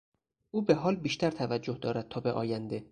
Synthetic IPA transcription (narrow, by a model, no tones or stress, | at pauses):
ʔuːbe̞ɦɒːlbiːʃt̪ʰæɾt̪ʰævæd͡ʒːohd̪ɒːɾæd̪̚t̪ʰɒːbeʔɒ̰ːjænd̪e